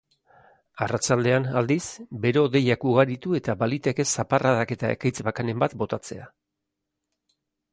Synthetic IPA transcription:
arat͡ʃald̪e̞anald̪isbe̞ɾo̞ðe̞jakuɣaɾit̪ue̞t̪abalit̪eke̞saparaðake̞t̪ae̞̰kajt͡sbakane̞mbat̪bo̞t̪at͡se̞̰a

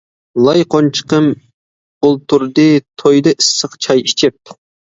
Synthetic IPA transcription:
lˠɑjqʰont͡ʃʰə̥qəm | bʊlˠt̪ʰuɾd̪ɨt̪ʰojd̪ɨʔisːəqt͡ʃʰɑjit͡ʃʰɛp̚

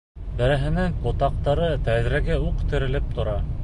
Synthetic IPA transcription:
bɘ̆ɾɘ̆ɦɘ̆næŋqŏt̪ɑq̚t̪ɑɾɤt̪æðɾæɡæuq̆t̪ɘ̆ɾɘ̆lɘp̚t̪ʰŏɾɑ

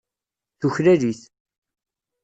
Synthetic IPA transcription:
θuçɾæɾiθ

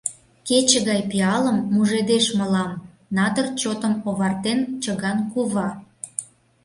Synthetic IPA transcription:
ket͡ɕəɣɑjpiɑləmːuʒed̪eʃməlɑm | nɑd̪ərt͡ɕot̪ə̆moβɑrt̪ent͡ɕəɣɑnkuβɑ

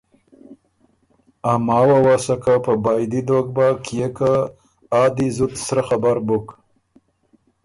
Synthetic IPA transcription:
amɑwawasakapəbɑjd̪id̪oɡbakjekaː | d̪izut̪sɾaxabaɾbʊk

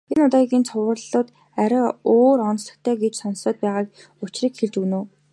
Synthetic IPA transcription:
enʊt̪aːɣiːnt͡sʰʊwə̆rɮʊːt̪ | æɾʲɪ̆oːɾɔnɮɞ̆kt̪ʰæːɡet͡ɕsɔnsɔːt̪̚pæːʁaːk̚ | ʊt͡ɕriːkxeɮt͡ɕunuː

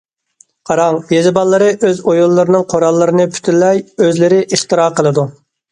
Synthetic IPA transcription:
qʰɑɾɑŋjezɪbɑlˠːɨɾɨʔøzojulˠːɨɾɨnɨŋqʰoɾɑlˠːɨɾɨnɨpʰy̥t̪ʰylːɛjøzlɪɾɪʔiχt̪ɨɾɑːqʰəlˠɨd̪u

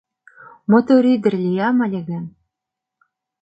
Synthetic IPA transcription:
mot̪oɾid̪ə̆rlʲijɑmɑlʲĕɣæn

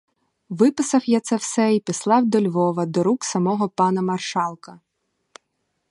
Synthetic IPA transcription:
ʋɪpɪsɐwjat̪sɛwsɛipʲislˠɑwd̪ɔlʲʋɔʋɐd̪ɔɾuksɐmɔɦɔpɑnɐmɐrʃɑlˠkɐ

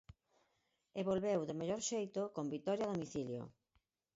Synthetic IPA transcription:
eβolβewðɪmeʎɔɾʃejt̪okombit̪ɔɾjaðomiθiljo̰

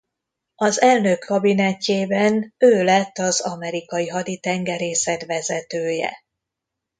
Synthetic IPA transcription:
ɒzɛlnø̞kʰːɒbinɛcːeːbɛnøːlɛt̪ːɒzɒmɛɾikɒjiɦɒd̪it̪ɛŋɡɛɾeːsɛt̪ʋɛzɛt̪øːjɛ̰

